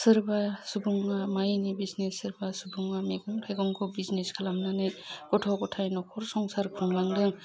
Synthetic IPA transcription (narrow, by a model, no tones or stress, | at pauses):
sɯɾbasubuŋːamajnibiznesɯɾbasubuŋːameɡɯŋtʰajɡɔŋkʰɔbizneskʰalamnanɯɡ̥ɔtʰɔɡɔtʰajnɔkʰɔɾsɔŋsaɾkʰuŋlaŋdɯŋ